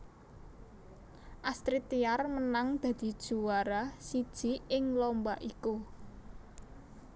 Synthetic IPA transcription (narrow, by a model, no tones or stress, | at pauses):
ʔast̪ɾit̪iarmənaŋd̪̥ä̤d̪̥i̤d̥ʒ̥ṳwaɾasid̥ʒ̥i̤ɪŋlɔmbaʔiku